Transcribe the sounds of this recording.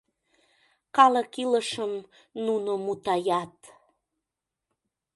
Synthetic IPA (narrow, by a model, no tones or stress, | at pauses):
kɑləkiləʃəm | nunomut̪ɑjɑt̪